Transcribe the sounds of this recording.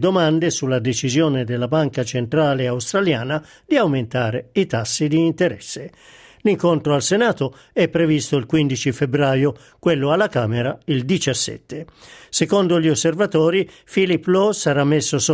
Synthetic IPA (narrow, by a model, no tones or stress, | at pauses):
d̪omand̪esulːad̪et͡ʃizjoːned̪elːabaŋkat͡ʃent̪ɾaːleawst̪ɾaljaːna | d̪iawment̪aːɾeit̪asːid̪iːnt̪eɾɛsːe | liŋkont̪ɾoalsenaːt̪o | ɛpːɾevist̪oilkwind̪it͡ʃifebɾaːjo | kwelːoalːakaːmeɾaild̪it͡ʃasːɛ̰t̪ːesekond̪oʎiosːervat̪ɔːɾi | filipːlɔsaɾamːesːoso